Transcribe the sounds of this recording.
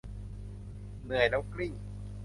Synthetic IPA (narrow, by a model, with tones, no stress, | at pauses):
nɯ˨˩əjlɛː˦˥wkli˥˩ŋ